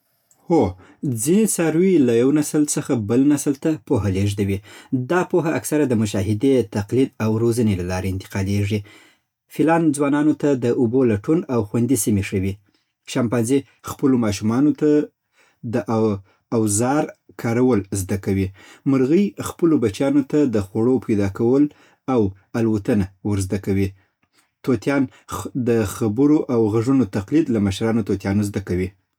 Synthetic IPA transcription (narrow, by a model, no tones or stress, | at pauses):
ho | d͡zinesaɾwilajawnaslsəxabəlnaslt̪apoɦaleʐd̪awid̪ɑpoɦaːksaɾad̪əmʊʃɑɦɪd̪et̪aqlid̪awɾozənelalɑɾeɪnt̪ɪ̥qɑleʐi | filɑnd͡zwɑnɑnot̪ad̪əʔobolaʈunawxwand̪isimeʂəwi | ʃɑmpɑnze | xpəlomɑʃ̬umɑnot̪a | d̪əʔa | awzɑɾ | kʰɑɾawəlzd̪akawiməɾɣəjxpəlobat͡ʃjɑnot̪ad̪əxaɽopajd̪ɑkawəl | aw | alwat̪ənawəɾzd̪akawi | t̪ot̪jɑn | d̪əxabəɾoʔawɣaʐunot̪aqlid̪lamaʃɾɑnot̪ot̪jɑnozd̪akawi